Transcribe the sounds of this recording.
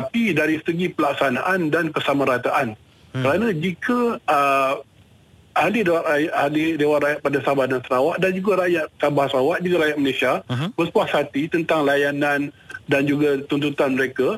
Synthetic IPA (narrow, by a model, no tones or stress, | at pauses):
t̪apidaɾisəɡipəlak̚sanaʔandankəsamãɾat̪aʔan | kəɾanãd͡ʒikəə | alidewaʔ̪ajaʔalidewaʔrajaʔ̚padasabahdansəɾawaʔ̚dand͡ʒuɡaɾajaʔ̚sabahsəɾawaʔ̚d͡ʒuɡaɾajaʔ̪̚məlesiab̥əspuahsat̪it̪ənt̪aŋlajanandand͡ʒuɡat̪unt̪ut̪anməɾeka